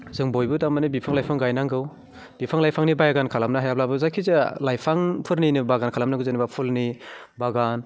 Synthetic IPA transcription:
zɯŋbojbɯdamanibipʰaŋlajpʰaŋɡajnaŋɡɯw | bipʰaŋlajpʰaŋnibajaɡankʰalamnaɦajab̚labɯzakʰizelajpʰaŋpʰɯɾninibaɡankʰalamnaɡɯzɯnibapʰulni | baɡan

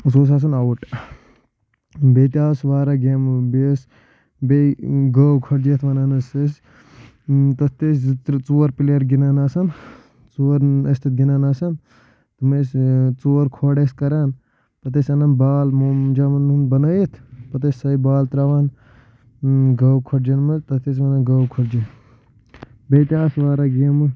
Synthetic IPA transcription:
soːs̬aːs̬ɐnɐwuʈ | beːt̪ʲaːsʋaːɾaɡembes | beɡɐwkʰɐɽd͡ʒeːt̪ʰʋɐnɐnɐses | t̪ɐst̪est͡suːɾpileɾɡinanaːsɐn | t͡suːɾɐst̪ʰit̪̚ɡʲinaːnaːsɐn | t̪mest͡soːɾkʰoːɽeskɐɾaːn | pɐt̪esʲɐnɐnbaːlmd͡ʒamɐnunbɐnɐjit̪ʰpɐt̪̬esʲsɐibaːlt̪ɾaːʋaːn | ɡɐwkʰoʈ̚d͡ʒɐnmɐt̪ɐt̪es̬ʋɐnɐnɡɐwkʰoʈd͡ʒi | bejt̪ʲjaːsʋaːɾaɡimɨ

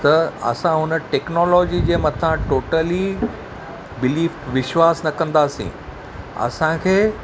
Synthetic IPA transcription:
t̪ɐɐ̰sãɦʊnə̆ʈeːknɔːlɔːd͡ʑid͡ʑeːmɐt̪ʰãʈoːʈəli | bɪliːfʈʋɪʃwaːsnɐkɐ̃nd̪aːsḭ̃ | ɐ̰sãkʰeː

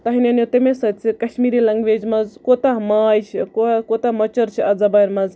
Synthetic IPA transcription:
t̪ɐɦinʲɐnjot̪emesɐt͡sikɐʃmiːɾilɐŋɡʋeːd͡ʒmɐzkot̪amaːjt͡ʃʰikokot̪amɐt͡ʃɐɾt͡ʃʰiɐd͡zɐbajɾmɐz

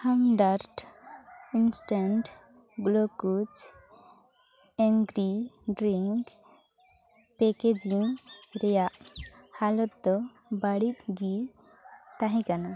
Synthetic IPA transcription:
hamɖaɾʈ | insʈaɳʈ | ɡlokut͡ʃ | eŋɡɾiɖɾiŋk | peked͡ʒiŋɾejaʔhalɔt̪ːɔ | baɽit̪ɡi | t̪aɦĩkana

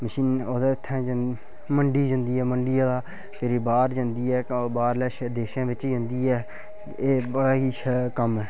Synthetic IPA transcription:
məʃiːnoːd̪aːɪt̪ʰːɛ̃ːd͡ʒ | məɳɖiːd͡ʒə̃nd̪iːɛːməɳɖɪjãːd̪aː | keːɾiːbaːɾd͡ʒãnd̪iːɛːbaːɾlɛːʃd̪eːʃãːʋɪt͡ʃid͡ʒə̃nd̪iːɛː | eːbəɽaːɦiːkəmɛː

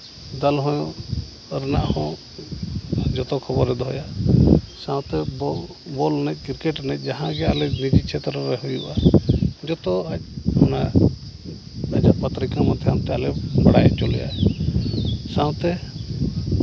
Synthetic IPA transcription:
d̪əlɦɔ̃j̃ | ɾɛnaʔhɔ̃ | d͡ʒɔt̪ɔkʰɔbɔɾɛd̪ɔɦɔja | sãwt̪ɛb | bolnɛc̚kiɾkeʈnɛc̚ˀd͡ʒaɦãɡɛalɛnid͡ʒit͡ʃʰet̪ɾɾɛɦujuʔad͡ʒɔt̪ɔac̚hɔna | ad͡ʒapət̪ɾikãmad̪ʰʱɛamt̪ɛalɛbəɽajt͡ʃɔlɛ̰ja̰ɛ | sãwt̪ɛ

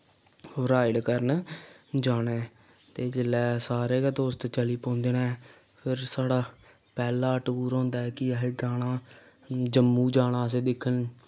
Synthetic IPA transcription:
ɾaːɪɖkəɾnd͡ʒaːɽeː | t̪eːd͡ʒɪlɛːsaːɾeːɡad̪oːst̪ːt͡ʃəliːpõːnd̪eːnɛː | pʰɪɾsaːɽaː | pɛːlaːəʈɡuːɾõːnd̪aːɛːkɪɦeːɡaːɽ̃aː | d͡ʒəmːuːd͡ʒaːɽãːs̬eːd̪ɪkʰːən

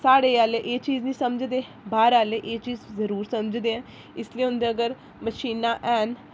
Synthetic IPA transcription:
saːɽeːaːleʔeːt͡ʃiːznĩːsəməd͡ʒd̪eː | baːɾaːleːʔeːt͡ʃiːzzəɾuːɾsəməd͡ʒd̪eːɛ̃ː | ɪsliːɦʊ̃nd̪eːəɡəɾ | məʃiːnaːʔɛːn

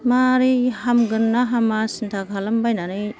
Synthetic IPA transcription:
maɾihamɡɯnːaɦamasintʰaɡʰʱalambajnanɯj

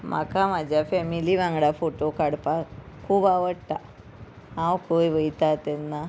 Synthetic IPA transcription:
ma̰kʰamad͡ʑʱjafɛmiliʋãŋɡɽafoʈokaɽpa | kʰuːbaʋəɽt̪a | ɦãwkʰojʋəjt̪at̪ɛnːa

